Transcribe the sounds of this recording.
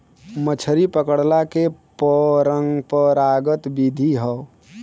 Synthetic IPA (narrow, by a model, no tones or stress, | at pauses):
mət͡ʃʰəɾipəkəɽlakepəɾəŋɡpəɾaɡət̪bid̪ʱiɦə